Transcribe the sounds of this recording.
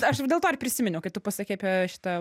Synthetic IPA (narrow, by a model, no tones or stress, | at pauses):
ɐʃdʲelˠtoːɐʃʲpʲɾʲɪsʲɪmʲɪnʲɛkɐɪt̪ʊpɐsʲɐkʲɛɪpʲɛʃʲɪ̥t̪ɐ